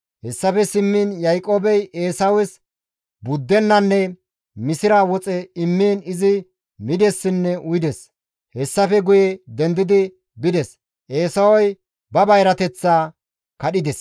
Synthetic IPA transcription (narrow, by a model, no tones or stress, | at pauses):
hɛsːɐfɛsɪmːinjɐjkʼoːbɛjeːsɐwɛs | bʊd̪ːɛnːɐnːɛ | mɪsɪɾaːwɔt͡sʼɛɪmːiːnɪzɪ | mɪd̪ɛsːɪnːɛʔʊjɪd̪ɛs | hɛsːɐfɛɡʊjed̪ɛnd̪ɪd̪ɪ | bɪd̪ɛs | ʔe̞ːsɐwɔj | bɐbɐjɾɐt̪ɛt͡sːaː | kɐɗɪd̪ɛs